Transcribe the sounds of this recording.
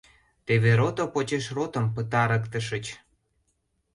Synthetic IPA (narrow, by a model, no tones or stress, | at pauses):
t̪eβeɾot̪opot͡ɕeʃrot̪ə̆mpət̪ɑɾəkt̪əʃə̆t͡ɕ